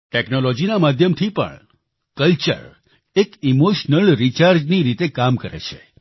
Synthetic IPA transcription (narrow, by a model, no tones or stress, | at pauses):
ʈeknolod͡ʒinamad̪ʱjəmt̪ʰipə̰ɳ | kəlt͡ʃə̰ɾ | ekimoʃnəlɾit͡ʃaɾd͡ʒniɾit̪ekamkəɾḛt͡ʃʰe